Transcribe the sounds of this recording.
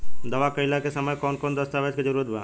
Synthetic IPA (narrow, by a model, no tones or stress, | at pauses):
d̪ɐʋakəjlakesəməjkɔnkond̪əst̪aʋɛt͡ʃked͡ʒəɾuɾət̪ba̰ː